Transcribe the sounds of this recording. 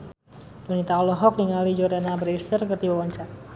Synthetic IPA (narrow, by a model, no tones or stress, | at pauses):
dunit̪aɔlɔɦɔk̚niŋalid͡ʒɔrdanabɾisərkərt̪iwawaɲt͡ʃar